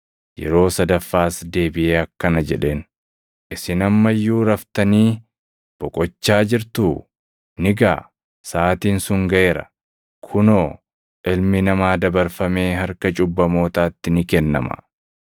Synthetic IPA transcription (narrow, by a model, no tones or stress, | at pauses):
jɛ̰ɾo̞ːsɐd̪ɐfːaːsd̪e̞ːbɪʔeːɐkːɐnɐd͡ʒɛᶑe̞ːn | ʔɪsɪnɐmːɐjːuːɾɐft̪ɐniː | b̥ɔkʼɔt͡ʃːaːd͡ʒɪɾt̪uː | nɪɡa̰ː | saːt̪iːnsʊŋɡɐʔe̞ːɾɐ̰ | kʰʊnoː | ʔɪlmɪnɐmaːd̪ɐbɐɾfɐmeːɦɐɾkɐt͡ʃʼʊbːɐmo̞ːt̪aːt̪ːɪnɪkɛnːɐ̰mɐ̰